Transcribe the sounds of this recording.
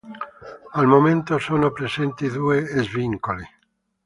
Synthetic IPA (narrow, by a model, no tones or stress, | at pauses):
almomẽnt̪osonopɾesent̪iðueezβiŋkoli